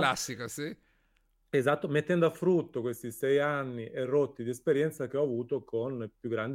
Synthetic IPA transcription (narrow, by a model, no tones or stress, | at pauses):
lasːikosi | ezat̪ːomet̪ːɛnd̪oafɾut̪ːokwest̪isɛjanːiʔerːot̪ːid̪iespeɾjɛnt̪sak̟eɔavuːt̪okonpjuɡːɾand̪